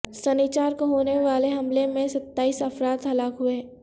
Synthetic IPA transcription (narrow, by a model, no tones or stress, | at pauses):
sɐniːt͡ʃaːɾkoɦoːneʋaːleɦɐmlemẽsɐt̪ːaːiːsɐfɾaːt̪ɦɐlaːkɦʊe